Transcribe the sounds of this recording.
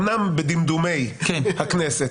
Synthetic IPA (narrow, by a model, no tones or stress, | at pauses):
nambed̪imd̪umejkɛhaknese